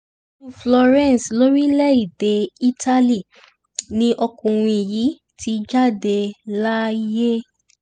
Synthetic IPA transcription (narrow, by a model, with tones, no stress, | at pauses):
u˧flɔ˧ɾɛ̃˦˨slo˦ɾi˦lɛ˦i˦˨de˨i˦tʰa˦li˦˨ | nĩ˧˦ʔɔ˧kũ˨ɾ̃ĩ˧i˨ji˨˦ | tʰi˧˦d͡ʒa˦˨de˧la˦i˦je˦